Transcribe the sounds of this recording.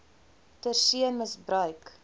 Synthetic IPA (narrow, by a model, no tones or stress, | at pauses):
tərsiənməsbɾœɥk